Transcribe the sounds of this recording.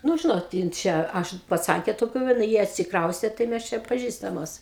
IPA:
ˈnʊ ˈʒʲɪnoːt ˈjɪn ˈt͡ʃʲɛ ˈɐʃ pɐˈt͡sɐŋʲkʲeː toːˈkʲuː ʋɐ nɐ ˈjiɛ ɐtʲsʲɪkˈrɐʊsʲtʲeː tɐɪ ˈmʲɛs ˈt͡ʃʲɛ pɐˈʒʲiːstɐmoːs

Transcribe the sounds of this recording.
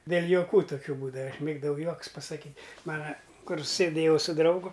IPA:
dʲeːlʲ joːˈkuː toːˈkʲuː ˈbuːdɐʋɐ ɐʃ ˈmʲeːɡdɐʋɐʊ ˈjuɔkʊs pɐsɐˈkʲiːtʲ ˈmɑːnɐ ˈkʊr sʲeːˈdʲeːjɛʊ sʊ ˈdrɐʊɡʊ

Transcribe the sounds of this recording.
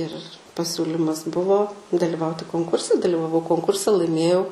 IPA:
ɪr pɐˈsʲuːlʲiːmɐs ˈbʊʋoː dɐlʲɪˈʋɐʊtʲɪ koːŋˈkʊrʲsʲɛ dɐlʲɪʋɐˈʋɐʊ koːŋˈkʊrʲsʲɛ lˠɐɪˈmʲeːjɛʊ

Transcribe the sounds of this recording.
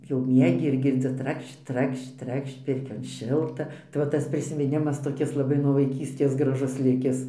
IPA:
jɛʊ ˈmʲiɛɡʲɪ ɪr ɡʲɪrʲˈd͡zʲɪ ˈtrɐkʃt͡ʃ ˈtrɐkʃt͡ʃ ˈtrɐkʃt͡ʃ ˈpʲɪrʲkʲoːn ˈʃʲɪlˠtɐ tɐɪ ˈʋɐ ˈtɐs pʲrʲɪsʲɪmʲɪnʲˈɪmɐs toːˈkʲɪs lˠɐˈbɐɪ nuɔ ʋɐɪˈkʲiːsʲtʲeːs ɡrɐˈʒʊs ˈlʲɪkʲɪs

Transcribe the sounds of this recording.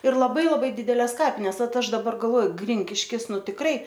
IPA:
ɪr lˠɐˈbɐɪ lˠɐˈbɐɪ ˈdʲɪdʲɛlʲɛs ˈkɑːpʲɪnʲɛs ˈʋɐt ˈɐʃ dɐˈbɐr ɡɐlˠˈʋoːjʊ ˈɡrʲɪŋʲkʲɪʃʲkʲɪs ˈnʊ tʲɪkˈrɐɪ

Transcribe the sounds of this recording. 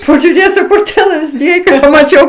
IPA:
pɐʒʲʊˈrʲeːsʲʊ ˈkʊr tʲiɛ lˠɐzʲˈdʲɪjɛɪ kɐɪ pɐmɐˈt͡ʃʲɛʊ

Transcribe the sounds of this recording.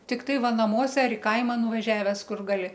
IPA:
tʲɪkˈtɐɪ ˈʋɐ nɐˈmuɔsʲɛ ɐr ɪ ˈkɐɪmɐ nʊʋɐˈʒʲæːʋʲɛs ˈkʊr ɡɐˈlʲɪ

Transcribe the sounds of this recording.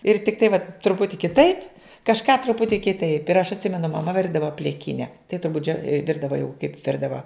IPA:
ɪr tʲɪkˈtɐɪ ʋɐt trʊˈpʊtʲɪ kʲɪˈtɐɪp kɐʃˈkɑː trʊˈpʊtʲiː kʲɪˈtɐɪp ɪr ɐʃ ɐtʲˈsʲɪmʲɛnʊ mɐˈmɐ ˈʋʲɪrdɐʋɐ pʲlʲɪˈkʲɪnʲɛ tɐɪ tʊrˈbʊt d͡ʒʲoː ˈʋʲɪrdɐʋɐ jɛʊ kɐɪp ˈʋʲɪrdɐʋɐ

